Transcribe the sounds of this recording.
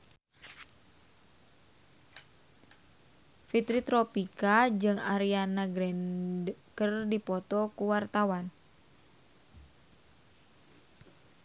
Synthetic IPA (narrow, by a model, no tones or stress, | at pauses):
fit̪ɾit̪ɾɔpikad͡ʒɨŋaɾianaɡɾɛnkərdipɔt̪ɔkuwart̪awan